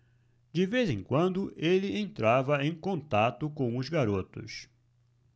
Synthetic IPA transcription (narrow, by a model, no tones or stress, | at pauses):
d͡ʒɪvezẽkwɐ̃nd̪ʊʔelɪẽnt̪ɾavɐẽj̃kõnt̪at̪ʊkõw̃ʊzɡaɾot̪ʊ̰s